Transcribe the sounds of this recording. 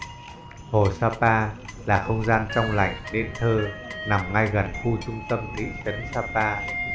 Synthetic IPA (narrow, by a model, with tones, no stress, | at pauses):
ho˨˩saː˧paː˧laː˨˩xə˧wŋ͡mzaː˧nt͡ɕɔ˧wŋ͡mla̰˧˨jŋɗe˧nt̪ʰəː˧na˨˩mŋa˧jɣə˨˩nxu˧t͡ɕʊ˧ŋ͡mt̪ə˧mŋḭ˧˥t͡ɕə˨˦nsaː˧paː˧